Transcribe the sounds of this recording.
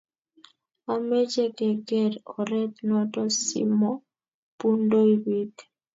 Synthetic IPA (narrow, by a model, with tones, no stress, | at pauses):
a˨me˦d͡ʒe˦kɛ˨ɡɛ˦ɾɔ˨ɾɛ˦t̪nɔ˦tɔ˦sḭ˦mɔ˦ | pu˦ndo˦i˦wi˦t